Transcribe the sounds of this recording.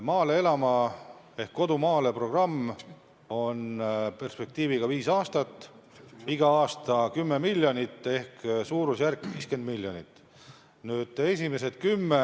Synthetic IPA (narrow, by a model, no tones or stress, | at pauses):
mɑːle̞e̞lɑmɑ | e̞hkkːo̞d̪̥umɑːle̞pro̞ɡ̥rɑmː | o̞npe̞rspe̞k̚t̪iːviɡ̥ɑviːsɑːst̪ɑt̪ːˑ | iɡ̥ɑɑːst̪ɑkymːemilʲjonit̪ːˑe̞hksuːɾusjærkːviːske̞nd̪̥milʲjonit̪ːˑ | nyːd̪̥e̞s̬ʲimese̞t̪̚kymːe